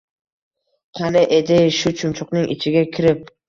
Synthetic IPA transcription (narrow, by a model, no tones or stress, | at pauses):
qʰɑnɪʔed̪ɪʃʊt͡ʃʰʊmt͡ʃʰʊqnɪŋʔɪ̰t͡ʃʰɪɡʲakʲʰɪɾɪp̚